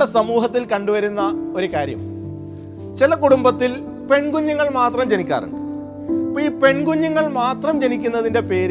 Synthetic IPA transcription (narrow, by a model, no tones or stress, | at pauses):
esɐmuːɦɐt̪ːilkɐɳɖuʋɐɾunːɐo̞ɾukaːɾjɐ̰m | t͡ɕilɐkuɽumbɐt̪ːil | pe̞ɳɡuɲːɐŋːɐɭmaːt̪rɐmd͡ʑenikʲːa̰ːrɨ̰ɳɖɨ | pːoiːpe̞ɳɡuɲːɐŋːɐɭmaːt̪rɐmd͡ʑe̞nikʲːunːɐðinde̞pe̞ːɾ